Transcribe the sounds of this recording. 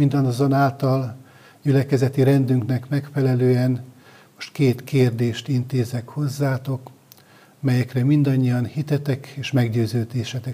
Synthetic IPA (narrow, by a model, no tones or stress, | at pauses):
mind̪ɒnzonaːlt̪ɒl | ɟylɛkɛzɛt̪iɾɛnd̪yŋknɛkmɛkfɛlɛløːɛn | moʃt̪keːt̪keːrd̪eːʃt̪int̪eːzɛkho̞zːaːt̪o̞k | mɛjɛkrɛmind̪ɒɲːijɒnhit̪ɛt̪ɛkeːʃmɛɡɟøːzøːd̪eːʃɛt̪ɛ